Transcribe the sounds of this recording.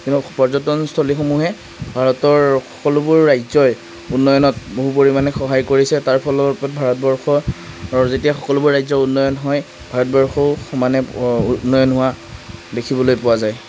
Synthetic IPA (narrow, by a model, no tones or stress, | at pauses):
kintupɔɹzɔtɔnstʰolixomuɦɛ | bʱaɹɔtɔɹxɔkɔlʊbʊɹːajzɔj | unːɔjɔnɔt̚boɦupoɹimanɛxɔɦajkoɹisɛtaɹpʰɔlɔpɔt̚bʱaɹɔt̚bɔɹxɔ | zetijaxɔkɔlʊbʊɹɹajzɔunːɔjɔnɦɔj | bʱaɹɔtbɔɹxɔʊxɔmanɛnːɔjɔnɦʊwa | dekʰibɔlojpʊwazaj